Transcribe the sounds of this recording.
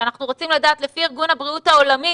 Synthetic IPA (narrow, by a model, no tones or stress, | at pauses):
anaχnuʁo̞t͡simladaːt̪le̞fiiʁɡunhabʁiutao̞lami